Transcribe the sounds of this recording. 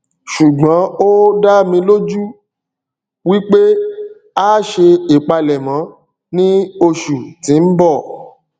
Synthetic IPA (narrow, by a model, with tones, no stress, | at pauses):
ʃu˨ɡ͡bã˨˦o˦da˦mĩ˧lo˦d͡ʒu˦ | wi˦k͡pe˦ | a˦ʃe˧i˨k͡pa˧lɛ˨mã˨˦ | nĩ˦o˧ʃu˨tĩ˨˦n̩˦bɔ˦˨